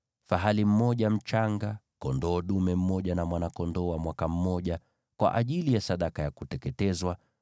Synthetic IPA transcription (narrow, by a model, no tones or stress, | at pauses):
faɦalim̩mɔʄam̩t͡ʃaŋɡa | kɔndɔːɗumɛm̩mɔʄanamwanakɔndɔwamwakam̩mɔʄa | kwa̰ʔaʄilijasaɗakajakutɛkɛtɛzwa